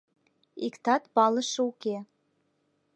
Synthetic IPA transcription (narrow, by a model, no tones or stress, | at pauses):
ikt̪ɑt̪pɑlə̆ʃɤuke